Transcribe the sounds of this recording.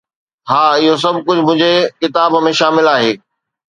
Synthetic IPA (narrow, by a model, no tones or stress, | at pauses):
ɦaːɪɦos̬ɐbʱkʊd͡ʑʱmʊ̃ɦɪ̃ɲd͡ʑekɪt̪aːbmẽʃaːmɪlaːɦeː